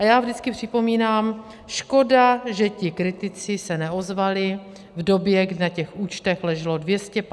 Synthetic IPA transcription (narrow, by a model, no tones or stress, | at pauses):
ʔajaːvʒdɪt͡skɪpr̝̥ɪpo̞miːnaːm | ʃko̞daʒɛcɪkɾɪt̪ɪt͡sɪsɛnɛo̞zvalɪ | vdo̞bjɛɡdɪnacɛxʔuːt͡ʃt̪ɛxlɛʒɛlo̞dvjɛscɛp